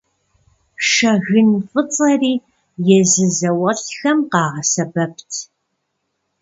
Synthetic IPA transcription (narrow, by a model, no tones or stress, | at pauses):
ʂɐɣɨnfɨt͡sʼɐriː | jɛzɨzɐwɐɬxɐmqɑːʁɐsɐbɐp̚ʰtʰ